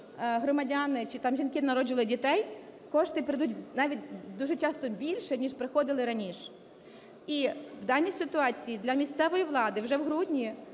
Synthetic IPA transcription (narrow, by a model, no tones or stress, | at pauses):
ɦɾɔmɐdʲanɪt͡ʃɪt̪ɑmʒʲinkɪnɐɾɔd͡ʒɪʋlˠɪdʲit̪ɛjkɔʃt̪ɪpeɾɪjd̪utʲnɑʋʲitʲd̪uʒɛt͡ʃɑst̪ɔbʲilʲʃɛnʲiʃpɾɪxɔd̪ɪlˠɪɾɐnʲiʃ | iwd̪ɑnʲːisɪt̪ʊɑt͡sʲijid̪lʲɐmʲisʲt̪sɛʋɔjiʋlˠɑd̪ɪwʒɛwɦɾudʲnʲi